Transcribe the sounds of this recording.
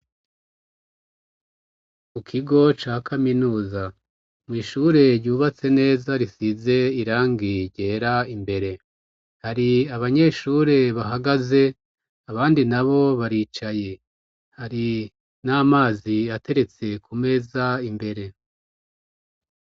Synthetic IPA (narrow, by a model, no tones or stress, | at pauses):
mukʰiɡo̞t͡ʃaːkʰaminuːza | mwiːʃuɾe̞ɾɟuːβat͡se̞ne̞ːzaɾisize̞iɾaːŋɡiɾɟe̞ːɾaimbe̞ɾe̞ | haɾiaβaɲe̞ʃuɾe̞βaɦaɡaze̞ | aβaːndinaβo̞βaɾiːt͡ʃaje̞ | haɾi | naːmaːziate̞ɾe̞t͡se̞kʰume̞zaimbe̞ɾe̞